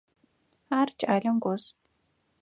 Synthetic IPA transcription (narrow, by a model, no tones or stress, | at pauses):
aːrt͡ʃʼaːɮɐmɡʷɔz